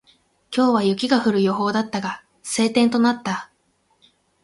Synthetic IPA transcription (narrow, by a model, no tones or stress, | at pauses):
kʲo̞ːβajɯ̟kʲiɡaɸɯ̟ɾɯ̟jo̞ɦo̞ːd̪at̪ːaɡa | se̞ːt̪ẽ̞nt̪o̞nat̪ːa